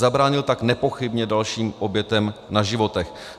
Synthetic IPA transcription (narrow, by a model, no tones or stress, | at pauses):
zabɾaːɲɪlt̪aknɛpo̞xɪbɲɛdalʃiːmʔobjɛt̪ɛmnaʒɪvo̞t̪ɛx